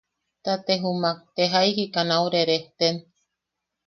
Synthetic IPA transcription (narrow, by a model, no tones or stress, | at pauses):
t̪at̪eɦumak̚t̪eɦaiɦikanawɾeɾeht̪en